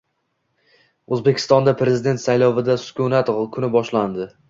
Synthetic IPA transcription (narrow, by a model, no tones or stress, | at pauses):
ɵzbe̞kʲʰɪ̥st̪ɒnd̪apʰɾe̞zɪd̪e̞nt̪sajlɒvɪd̪asʊ̥kʰʲunat̪kʰʊnɪbɒʃland̪ɪ